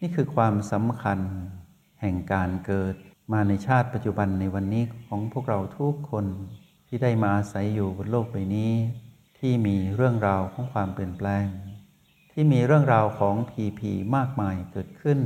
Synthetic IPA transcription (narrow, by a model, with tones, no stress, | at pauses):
niː˥˩kʰɯː˧kʰwaː˧msa˩˦mkʰa˧n | hɛ˨˩ŋkaː˧nkɤː˨˩t̪̚maː˧na˧jt͡ɕʰaː˥˩t̪̚pa˧t̪̚t͡ɕu˨˧ba˧nːa˧jwa˧nːiː˦˥kʰɔː˩˦ŋpʰu˥˩ək̚ɾa˧wt̪ʰu˦˥kʰːo˧n | t̪ʰiː˥˩daː˥˩jmaː˧ʔaː˧sa˩˦jːuː˨˩bo˧nloː˥˩k̚pa˧jniː˦˥ | t̪ʰiː˥˩miː˧ɾɯ˥˩əŋɾaː˧wkʰɔː˩˦ŋkʰwaː˧mpi˨˩ənplɛː˧ŋ | t̪ʰiː˥˩miː˧ɾɯ˥˩əŋɾaː˧wkʰɔː˩˦ŋpʰiː˧pʰḭː˧maː˥˩k̚maː˧jkɤː˨˩t̪̚kʰɯ˥˩n